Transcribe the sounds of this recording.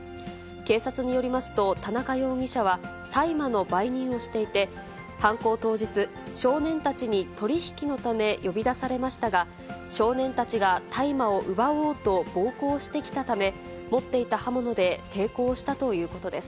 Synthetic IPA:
ke̞ːsat͡sɨɲ̟ijo̞ɾʲimasɨ̥t̪o̞t̪anakajo̞ːŋ̟ʲiɕaβ̞a | t̪aimano̞baiɲ̟ĩɰ̃o̞ɕi̥t̪e̞it̪e̞ | hãŋko̞ːt̪o̞ːd͡ʑit͡sɨ | ɕo̞ːnẽ̞nt̪at͡ɕiɲ̟it̪o̞ɾʲiçi̥kʲino̞t̪ame̞jo̞bʲid̪asaɾe̞maɕi̥t̪aɡa | ɕo̞ːnẽ̞nt̪at͡ɕiɡat̪ʰaimao̞ʔɯ̟bao̞ːt̪o̞b̥o̞ːko̞ːɕi̥t̪e̞kʲi̥t̪at̪ame̞ | mo̞t̪ːe̞it̪ahamo̞no̞d̪e̞t̪ʰe̞ːko̞ːɕi̥t̪at̪o̞jɯ̟ːko̞t̪o̞d̪e̞sɨ̥

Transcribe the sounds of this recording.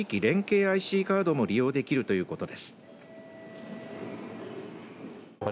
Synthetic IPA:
ikʲiɾẽ̞ŋke̞ːaiɕiːkaːd̪o̞mo̞ɾʲijo̞ːd̪e̞kʲiɾɯ̟t̪o̞jɯ̟ːko̞t̪o̞d̪e̞sɨ̥

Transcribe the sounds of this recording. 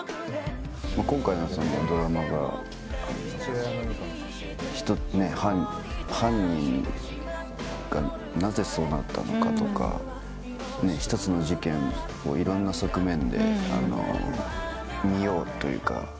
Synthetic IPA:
makõ̞ŋkainosõnd̪ed̪o̞ɾamaɡa̰ | a̰n | çi̥t̪one̞hã | hãɲ̟ːĩŋ | ɡ̥a | naze̞so̞ːnat̪ʰːa̰no̞kat̪o̞ka̰ | ne̞çi̥t̪o̞t͡sɨno̞ʑikẽ̞ŋ | o̰iɾõ̞nːaso̞kɯ̟mẽ̞nd̪e̞̰a̰no̰ | mʲijo̞ːt̪ːo̞jɯ̟̰ːka̰

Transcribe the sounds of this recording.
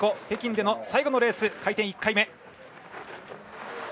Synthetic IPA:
ko̞he̞ːkʲĩnd̪e̞nosaiɡo̞no̞ɾe̞ːsɨkait̪ẽikːaime̞

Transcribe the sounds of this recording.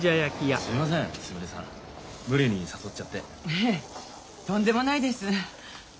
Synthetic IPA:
ajakʲijasɨɾʲimas̬ẽŋ̃sɨmɯ̟ɾesã̰ | mɯ̟ɾeɲ̟isaso̞tt͡ɕat̪ːe̞ | e | t̪õnd̪e̞mo̞naid̪e̞sɨ

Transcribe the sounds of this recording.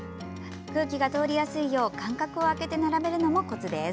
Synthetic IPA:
kɯ̟ːkʲiɡat̪o̞ːɾʲijasɨijo̞ːkãŋkakɯ̟o̞ake̞t̪e̞naɾame̞ɾɯ̟no̞mo̞ko̞t͡sɨd̪es

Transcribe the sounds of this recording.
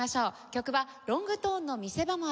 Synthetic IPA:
aɕo̞ː | kʲo̞kɯ̟βaɾõ̞ŋɡɯ̟t̪o̞ːnːo̞mʲise̞bamo̞

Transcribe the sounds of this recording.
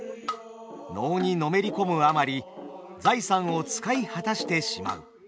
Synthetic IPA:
no̞ːɲ̟ino̞me̞ɾʲiko̞mɯ̟amaɾʲi | d͡zaisãɰ̃o̞t͡sɨ̥kaihat̪aɕi̥t̪e̞ɕima̰ɯ̟̰

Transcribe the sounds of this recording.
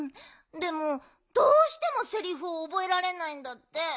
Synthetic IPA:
d̪e̞mo | d̪oːɕi̥t̪e̞mo̞se̞ɾʲiɸɯːbo̞e̞ɾaɾe̞naĩnd̪at̪ːe̞

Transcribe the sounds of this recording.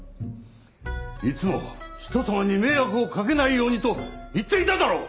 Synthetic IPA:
it͡sɨmo̞̰çi̥t̪o̞samaɲ̟ime̞ːjakɯ̟o̞kak̬e̞naijo̞ːɲ̟it̪o̞it̪ːe̞it̪ad̪aɾoː

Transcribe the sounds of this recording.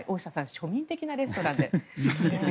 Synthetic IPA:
iʔo̞ːɕi̥asãɰ̃ɕo̞mʲĩnt̪e̞kʲinaɾe̞sɨ̥t̪o̞ɾãnd̪ees

